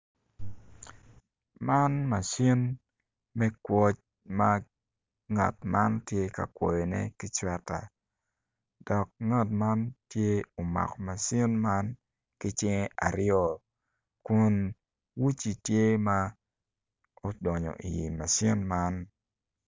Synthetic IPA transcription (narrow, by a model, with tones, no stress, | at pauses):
ma˦nma˨si˦n | mɛ˦kwɔ˦t͡ʃ | ma˦ | ŋa̰˨tma˦ntje˦ka̰˨kwɔ˨je˨nɛ̰˦kɪ˦t͡ʃwɛ˦ta̰˨ | d̥ɔ˨k̚ŋa˦˨tma˦ntje˦o˨ma̰˨kɔ˨ma˨si˦nma˦n | kɪ˦t͡ʃɪ˦ŋe˦ʔa˨ɾjɔ˦˨ | kʊ˦n | wu˦t͡ʃi˨tje˦ma˦ | o˦dɔ˨ɲɔ̰˨ʔi˨ji˨ma˨si˦nma˦n